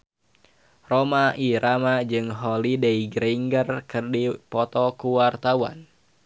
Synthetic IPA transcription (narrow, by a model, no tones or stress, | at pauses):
romaʔiɾamad͡ʒɨŋɦɔlidɛiɡɾiŋɡərkɨrdipɔt̪ɔkuwart̪awa̰n